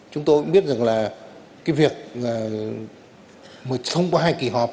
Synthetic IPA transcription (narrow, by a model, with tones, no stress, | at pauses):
t͡ɕʊ˨˦ŋ͡mt̪o˧jkʊ̰˧˥ŋ͡mɓi˦˥t̚za˨˩ŋlaː˨˩ | kaː˨˦jvi˨˩ək̚aː˨˩ | məː˨˩sə˧wŋ͡mkwaː˧ɦaː˧jki˧˩ɦɔ˨˩p̚